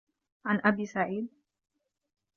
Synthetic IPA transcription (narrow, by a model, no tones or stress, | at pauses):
ʕanʔabiːsaʕiːd̪̚